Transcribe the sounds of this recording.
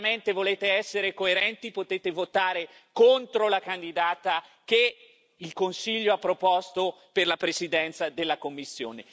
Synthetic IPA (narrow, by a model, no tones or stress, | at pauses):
ment̪evoleːt̪eɛsːeɾekoeɾɛnt̪ipot̪eːt̪evot̪aːɾe | kont̪ɾolakand̪id̪aːt̪ak̟e | ilkonsiʎːoapːɾopɔst̪o | perlapɾesid̪ɛnt̪sad̪elːakomːisːjo̰ːne